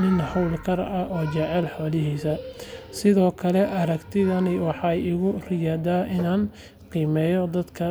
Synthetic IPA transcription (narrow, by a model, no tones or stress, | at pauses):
nɪnhɐwlkʰɐɾɐʔɔːt͡ʃɛʕɛlħɔːlɪɦiːsɐsɪðɔːkʰɐlɛʔɐɾɐɡt̪ʰɪðɐnɪwɑħɑjɪɣʊrɪjaːd̪aːʔɪnaːn | qiːmɛːjɔd̪ɐd̪kʰɐ